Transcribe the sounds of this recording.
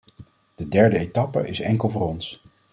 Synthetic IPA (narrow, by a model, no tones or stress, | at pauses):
d̥ədɛɹdəetɑpə̰ʔɪsɛŋkəlˠvʊːɾɔns